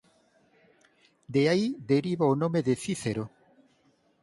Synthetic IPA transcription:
d̪eaid̪eɾiβaonomeðeθiθeɾo

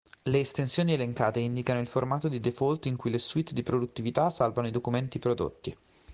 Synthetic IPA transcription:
leːst̪ensjoːnieleŋkaːt̪eind̪ikanoilformaːt̪od̪id̪efolt̪iŋkujleswit̪ːd̪ipɾod̪ut̪ːivit̪asalvanoid̪okument̪ipɾod̪o̰t̪ːi

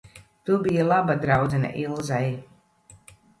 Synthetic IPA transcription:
t̪ubijalˠabad̪ɾawd̪zɛna̰ʔilˠzaj

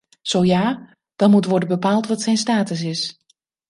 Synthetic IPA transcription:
z̥owjaː | d̥ɑnmutʋɔɹdənbəpaːlˠtʋɑtsɛjnstaːtəs̬ɪs

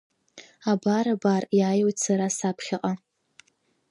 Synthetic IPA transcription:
abaɾabarjaːjowtsaɾasapʰχʲɪqʼa

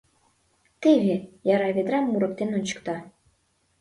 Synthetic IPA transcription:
t̪eβʲejɑɾɑβʲed̪ɾɑmːuɾɤ̆k̚t̪ʲenunt͡ɕɤ̥̆kt̪ɑ

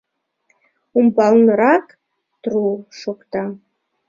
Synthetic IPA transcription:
umbɑlnɤɾɑk | t̪ruʃokt̪ɑ

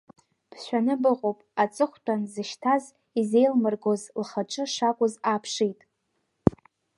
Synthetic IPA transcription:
b̥ʰʃʷᶣanɨbɨqʼowpʼat͡sʼɨχʷtʷʰʼanzɨʃtʰaz | ize̞jlmɨrɡo̞zlχaʈ͡ʂʼɨʂakʷʼʊzapʰʂitʼ

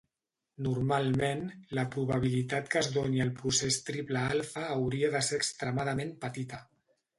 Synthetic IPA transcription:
nuɾmalˠmenləpɾuβaβ̞ilit̪at̪kəzðoɲiəlˠpɾusest̪ɾipləalˠfəːwɾiəðəseɾəkst̪ɾəmaðəmempət̪it̪ə

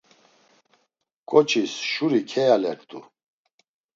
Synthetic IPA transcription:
kʼɔt͡ʃʰisʃuɾikʰɛjalɛɾt̪ʼṵ

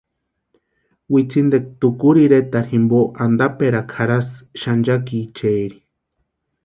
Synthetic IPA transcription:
wit͡sʰind̪ek̚t̪ukuɾiɾet̪aɾhimboʔand̪apeɾakʰaɾasʃand͡ʒak̬it͡ʃeːɾi̥

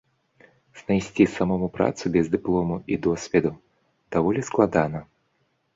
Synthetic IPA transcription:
z̥najsʲt͡sʲisamɔmupɾa̰t̪subʲɛzd̪ɨplˠɔmuʔid̪ɔsʲvʲɛd̪u | d̪̥avɔlʲisklˠad̪anɐ

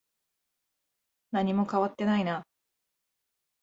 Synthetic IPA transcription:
naɲ̟imo̞kaβat̪ːe̞naina

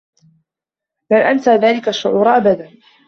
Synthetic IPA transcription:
lanʔansaːðaːlɪkaʃːʊʕuːɾʔabad̪an

